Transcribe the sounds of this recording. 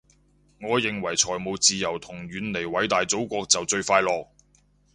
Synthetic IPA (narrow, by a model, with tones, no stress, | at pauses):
ŋɔː˨˧jɪ˨ŋwɐ˨˩jt͡sʰɔː˨˩jmo˨˧wt͡siː˨jɐ˨˩wt̪ʰʊ˨˩ŋɥyː˨˧nle˨˩jwɐ˨˥jt̪aː˨jt͡so˨˥wkʷɔː˧k̚t͡sɐ˨wt͡sɵ˧ɥfaː˧jlɔː˨k̚